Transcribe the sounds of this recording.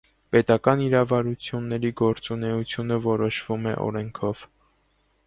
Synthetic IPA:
pɛt̪ɑkɑniɾɑvɑɾut͡sʰjunːɛɾiɡɔɾt͡sunɛut͡sʰjunəvɔɾɔʃv̥umɛ̰ʔɔ̰ɾɛŋkʰɔv̥

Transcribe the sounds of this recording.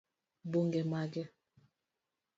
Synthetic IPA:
boŋɡɛmaɡɛ

